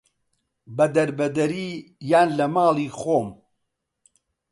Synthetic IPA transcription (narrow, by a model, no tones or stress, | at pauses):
bɐd̪ɐɾbɐd̪ɐɾiːjaːnlɐmaːlˠiːxoːm